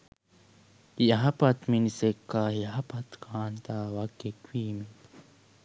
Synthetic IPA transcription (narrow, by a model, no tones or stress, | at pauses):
ijaɦapat̪minisekːahijaɦapat̪kʰaːnt̪awakːekwiːmi